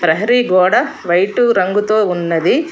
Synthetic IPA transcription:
pɾɐɦɐɾiɡɔːɽɐʋɐjʈuɾɐŋɡut̪oːunːɐd̪i

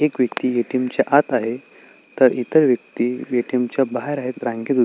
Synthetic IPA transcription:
ekʋjəkt̪iːjeʈimt͡ɕaʔat̪aɦe | t̪əɾit̪əɾʋjək̚t̪iːjeʈimt͡ɕjabaɦeɾaɦet̪ɾãŋɡed̪u

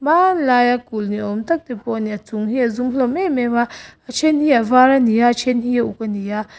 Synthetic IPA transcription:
malajakulniomt̪ak̚t̪epɔniat͡suŋɦiazumhlomemewaat͡ʃʰenhijavaɾanijat͡ʃʰenhijaukanija

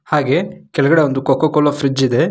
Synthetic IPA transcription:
haːɡe̞kɛlɐɡɐɽe̞ond̪ukɔkokɔlːɐfɾid͡ʒid̪e̞

